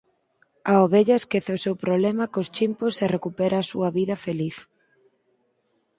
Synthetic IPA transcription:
aoβeʎɐeskeθeosewpɾoβlɛmɐkost͡ʃimposerekupeɾɐːsuɐβiðɐfeliθ

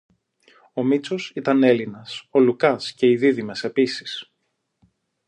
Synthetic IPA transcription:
o̞mit͡so̞sit̪ɐne̞linɐso̞lukɐsce̞iðiðimese̞pisi̥s

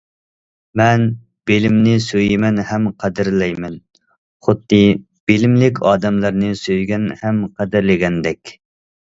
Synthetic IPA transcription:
mɛn | b̥elɪmnɪsøjimɛnhɛmqʰæd̪ɪɾlɛjmɛn | χʊd̪ːɨ | b̥elɪmlɪkʲʰɑːd̪ɛmlˠɨɾnɨsøjɡʲɛnhɛmqʰɛd̪ɪɾlɪɡʲɛnd̪ɛkʲ

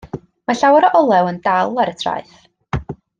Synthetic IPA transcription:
maɬawaɾɔʔɔlˠɛwəndalˠaɾətʰra̰jθ

